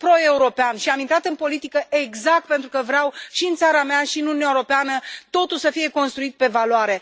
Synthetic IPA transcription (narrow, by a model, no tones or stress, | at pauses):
pɾo̞e̞uɾo̞peanʃiamint̪ɾat̪ɨnpo̞lit̪ikəʔe̞ɡzakt̪̚pe̞nt̪ɾukəvɾeawʃiɨnt̪saɾameaʃiɨnununʲaeɾo̞peanət̪o̞t̪ulsəfije̞ko̞nst̪ɾuit̪̚pe̞valoaɾe̞